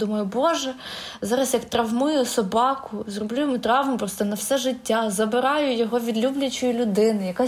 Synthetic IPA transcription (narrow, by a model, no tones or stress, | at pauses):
d̪umɐjʊbɔʒɛ | zɑɾɐsjɐkt̪ɾɐwmʊjʊsɔbɑkʊzrɔblʲujmʊt̪ɾɑwmʊpɾɔst̪ɔnɐwsɛʒɪtʲːazɐbɪɾɑjʊjɔɦɔʋʲid̪lʲublʲɐt͡ʃɔjilʲʊd̪ɪnɪjɐkɑ